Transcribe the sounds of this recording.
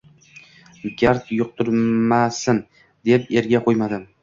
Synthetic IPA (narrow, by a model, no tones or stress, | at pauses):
ɡʲaɾt̪jʊq̚t̪ʰʊɾmasɪm | d̪epe̞ɾɡʲaqʰojmad̪ɪm